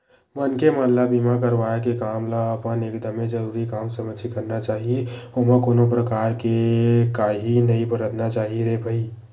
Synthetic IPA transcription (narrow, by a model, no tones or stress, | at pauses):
mənkemənləbimakəɾʋaekekamlaəpənekd̪əmed͡ʒəɾuɾikamsəmət͡ʃʰikəɾnat͡ʃaɦioməkonopɾəkaɾkekaɦinəibəɾəd̪nat͡ʃaɦiɾebʱəi